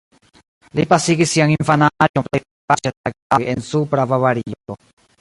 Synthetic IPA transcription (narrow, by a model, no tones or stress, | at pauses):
lipasiɡisiaŋiɱfanad͡ʒomplej | pat͡ʃeaɡajensupɾavavaɾio